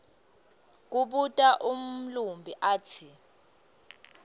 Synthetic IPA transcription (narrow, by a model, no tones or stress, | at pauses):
k̬uɓutʼaʔum̩lumbʱiʔaːtʰi